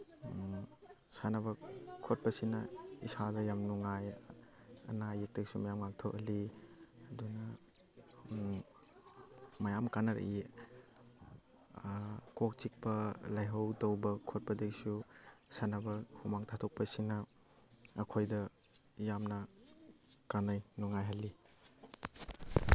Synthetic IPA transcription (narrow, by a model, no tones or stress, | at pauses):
sanɐbɐkʰot̚pɐsinɐḭsadɐjamnuŋaj | ɐ̰najek̚teɡsumajamŋaŋtʰoʔɐliɐdunɐ | mɐjamkanɐɾɐ̰ʔi | kok̚t͡ʃik̚pɐlajɦɐwtowbɐkʰot̚pɐdeksusanɐbɐhʰumaŋtʰatʰɔk̚pɐsinɐː | kʰojdɐ | jamnɐ | kanajnuŋajɦali